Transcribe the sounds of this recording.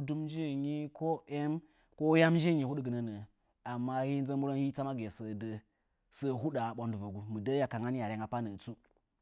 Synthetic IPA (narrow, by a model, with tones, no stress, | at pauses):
du˦md͡ʒe˦˨ɲi˦ko˦ʔe˦m | ko˦ja˦md͡ʒe˦˨ɲi˨hu˦ɗɡɨ˨nə˦nə˨ | a˨mːa˦hi˦n˦ə˦mu˦ɾa˦nhi˦t͡sa˦ma˦ɡe˨sə˨də˨ | sə˦ɦu˦ɗa˨ɓo˨ndu˨va˨ɡu˦mɨ˨də˦ja˨ka˨ŋa˦n˦ja˨ɾe˦ŋa˨pa˦nə˨t͡su˦